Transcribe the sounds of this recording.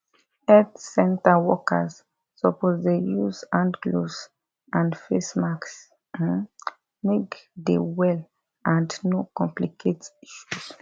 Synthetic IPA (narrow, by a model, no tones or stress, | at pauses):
ɛdsɛ̃ntawɔka̰zː | ɔpɔzdejuzãndɡloz | ãndfesmaks | mekdewɛl | ãndnokɔ̃mplikʰetiʃus